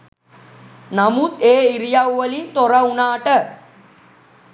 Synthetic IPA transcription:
namut̪eːiɾijawʋəlint̪oɾaunaːʈə

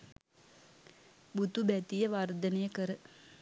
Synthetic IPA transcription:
but̪ubæt̪ijɐʋaːɾd̪ɐnejɐkɐɾɨ

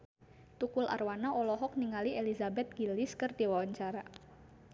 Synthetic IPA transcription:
t̪ukulʔa̰rwanaʔɔlɔɦɔk̚niŋalielizabɛt̪̚ɡ̥iliskɨrd̪iwawaɲt͡ʃaɾa

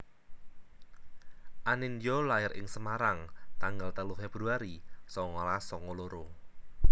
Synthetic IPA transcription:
ʔanɪnjolaɪɾɪ̰ŋsəmaɾaŋt̪aŋɡalt̪əlufɛb̥ɾuaɾisɔŋɔlasɔŋoloɾo

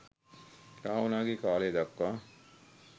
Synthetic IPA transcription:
kaːwunaːɡikaːleːd̪ɐkːa

